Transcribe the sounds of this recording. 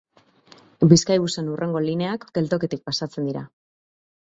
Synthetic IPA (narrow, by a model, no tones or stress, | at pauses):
biskajβuse̞nurʔe̞ŋɡo̞line̞akɡe̞lt̪o̞ke̞t̪ik̚pasat͡se̞nd̪iɾa̰